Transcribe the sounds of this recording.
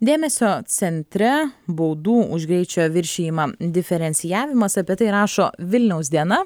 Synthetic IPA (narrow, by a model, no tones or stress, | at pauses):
d̪ʲeːmʲɛsʲoːt̪sʲɛnʲt̪ʲɾʲɛboʊd̪uːʊʒʲɡɾʲɛɪt͡ʃʲoːʋʲɪɾʲʃʲeːjɪmɑːd̪ʲɪfʲɛɾʲɛnʲsʲɪjæːʋʲɪmɐsɐpʲiɛt̪ɐɪɾɑːʃoːʋʲɪlʲnʲɛʊsd̪ʲiɛnɐ